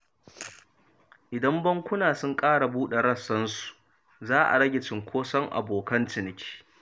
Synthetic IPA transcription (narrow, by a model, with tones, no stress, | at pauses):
ʔɪ˨dɐ˦mbɐ˦ŋkʷʊ˦naː˨sʊ˦ŋkʼaː˦ɽa˨buː˦ɗe˨ɽɐ˦sːɐ˦nsu̥˨ | zaː˦ʔa̰˨ɽɐ˦ɡʲɪ˨t͡ʃɪ˨ŋkʷʰoː˦sɐ˦ŋʔa̰˨boː˨kɐ˦ntɪ˨nɪ˨kʲi̥ː˦